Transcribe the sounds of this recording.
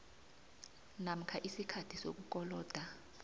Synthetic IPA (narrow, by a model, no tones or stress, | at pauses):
nam̩kʰaʔisikʰatʰisok̬uk̬ɔlɔːd̥ʱa